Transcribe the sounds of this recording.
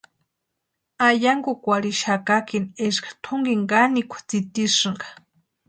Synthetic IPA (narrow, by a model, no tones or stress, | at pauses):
ajaŋɡukʷaɾiʃakakineʃkḁt̪ʰʊŋɡiŋɡanikʷʰḁt͡sit̪iʂɨŋɡḁ